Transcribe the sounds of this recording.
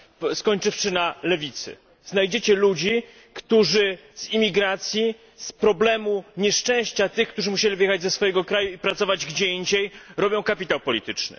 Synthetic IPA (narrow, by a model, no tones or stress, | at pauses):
skɔɲt͡ʂɘfʂɘnalɛvʲit̪sɘ̰ | znajd͡ʑet͡ɕɛlud͡ʑi | kt̪uʐɘz̥imʲiɡɾat̪sʲji | spɾɔblɛmuɲɛʂt͡ʂɛ̃w̃ɕt͡ɕat̪ɘxk̚t̪uʐɘmuɕelʲivjɛxad͡ʑzɛsfɔjɛɡɔkɾajuipɾat̪sɔvad͡ʑɡd͡ʑɛiɲd͡ʑejɾɔbʲjɔ̃w̃kapʲit̪awpɔlʲit̪ɘt͡ʂnɘ̰